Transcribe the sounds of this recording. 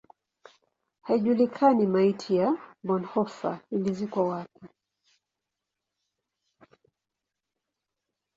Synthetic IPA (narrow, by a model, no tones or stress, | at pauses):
haiʄulikʰanimaitʰijabɔnhɔfa̰ilizikwɔwapi